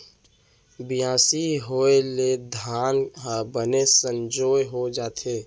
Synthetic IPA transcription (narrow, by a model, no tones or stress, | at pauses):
bɪjãːsiɦoːeled̪ʱaːnɦəbənesə̃nd͡ʒoːjɦod͡ʒaːt̪ʰeː